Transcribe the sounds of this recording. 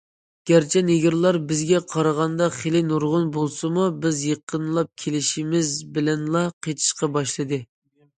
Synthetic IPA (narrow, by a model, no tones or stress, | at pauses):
ɡ̥ʲæɾt͡ʃʰɛneɡʲiɾlˠɑɾbɪzɡʲɛqʰɑɾəʁɑnd̪ɑχelɪnuɾʁʊnbolˠsɨmubɪzjəqʰːənlˠɑp̚kʲʰelɪʃimɪzbɪlɛnlˠɑqʰet̪ʰɪ̥ʃqɑbɑʃlˠɨd̪ɨ